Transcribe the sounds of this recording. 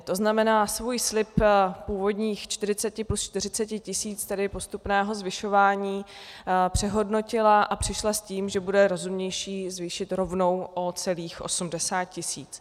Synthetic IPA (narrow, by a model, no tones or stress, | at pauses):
t̪o̞znamɛnaːsvuːjslɪppuːvo̞dɲiːxt͡ʃt̪ɪrɪt͡sɛcɪplust͡ʃt̪ɪrɪt͡sɛcɪcɪsiːt͡st̪ɛdɪpo̞st̪upnɛːɦo̞zvɪʃo̞vaːɲiːpr̝̥ɛɦo̞dno̞cɪlaʔapr̝̥ɪʃlasciːmʒɛbudɛɾo̞zumɲɛjʃiːzvɪʃɪt̪ɾo̞vno̞wʔo̞t͡sɛliːxʔo̞̰sumdɛsaːt̪̚cɪsḭːt͡s